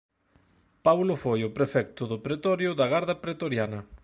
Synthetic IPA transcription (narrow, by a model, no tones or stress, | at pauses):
pawlʊfojʊpɾefɛkt̪ʊðʊpɾet̪ɔɾjʊðɐɣaɾðɐpɾet̪oɾjanɐ